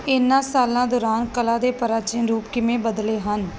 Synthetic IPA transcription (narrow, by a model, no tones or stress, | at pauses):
ɪnːãːsaːlãːd̪ɔːɾaːnkəlaːd̪eːpəɾaːt͡ʃenɾuːpkɪmẽːbəd̪leːɦən